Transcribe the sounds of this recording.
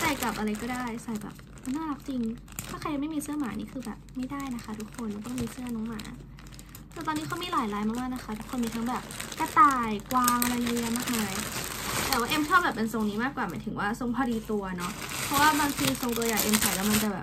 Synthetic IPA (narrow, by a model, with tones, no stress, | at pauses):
sa˨˩jka˨˩p̚ʔa˧ɾa˧jkɔː˥˩daː˥˩jsa˨˩jbɛ̰ː˨˩p̚ | a˧naː˥˩la˦˥k̚t͡ɕi˧ŋ | t̪ʰa˥˩kʰa˧ja˧˩ma˥˩jmiː˧sɯ˥˩ɐmaː˩˦nḭː˥˩kʰɯː˧bɛː˨˩p̚ma˥˩jdaː˥˩jna˦˥xʰa˦˥t̪ʰu˦˥kʰo˧nla˧˩t̪ɔ˥˩ŋmiː˧sɯ˥˩ɐnɔː˨˦ŋma̰ː˩˦ | t̪ɛː˨˩t̪ɔː˧niː˦˥a˧˥miː˧˩laː˩˦jlaː˦jmaː˥˩maː˥˩na˦˥xʰa˦˥t̪ʰu˦˥kʰːo˧nmiː˧t̪ʰa˦˥ŋbɛː˨˩p̚ka˧˩t̪aː˨˩jkwaː˧ŋʔa˧ɾa˧jʔa˧˩jmaː˥˩k̚maː˧jt̪ɛː˨˩waː˥˩ʔe˧mt͡ɕʰɔː˥˩bɛː˨˩p̚ːpe˧nso˧ŋniː˦˥maː˥˩kːwaː˨˩maː˩˦t̪ʰɯ˩˦ŋwaː˥˩so˧ŋpʰa˧ɾiː˧t̪u˧ɐnɔ˦˥ | pʰɔ˦˥waː˥˩baː˧ŋt̪ʰiː˧so˧ŋt̪u˧ɐjaː˨˩jʔe˧msa˨˩jlɛː˦˥ma˧nt͡ɕa˨˩bɛː˨˩p̚